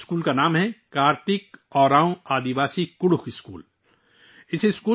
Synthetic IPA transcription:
skuːlkanaːmɦɛkaːɾt̪ɪkɔːɾaːũaːd̪iʋaːsikʊɽʊkʰɪskṵːl | ɪsɪskuː

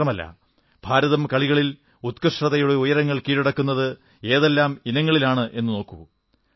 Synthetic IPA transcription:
ɐmɐlːɐ̰ | b̥ʱaːɾɐðɐmkɐɭiɣɐɭil | ut̪kɐʂrɐðɐjuɽe̞ujɐɾɐŋːɐɭkiːɽiɽɐkːunːɐðɨ | e̞ːðelːaːminɐŋːɐɭilaːɳɨʔe̞nːɨno̞ːkːuu

